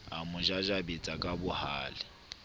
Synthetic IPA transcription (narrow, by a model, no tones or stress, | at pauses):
amʊd͡ʒad͡ʒabet͡sʼakʼabʊhaːlɪ